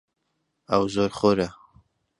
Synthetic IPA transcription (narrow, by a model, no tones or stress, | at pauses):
awzoɾχoɾa